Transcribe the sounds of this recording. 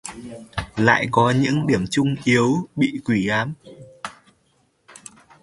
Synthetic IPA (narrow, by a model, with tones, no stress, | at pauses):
la̰ː˧˨jkɔ˨˦ɲɨ̰˧˥ŋɗi˧˩əmt͡ɕʊ˧ŋ͡mʔi˨˦ə˦wɓḭ˧˨kwi˧˩ʔaː˨˦m